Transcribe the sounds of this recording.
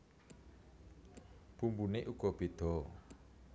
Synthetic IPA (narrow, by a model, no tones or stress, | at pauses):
b̥umbuneʔuɡ̥ɔb̥ed̪̥ɔ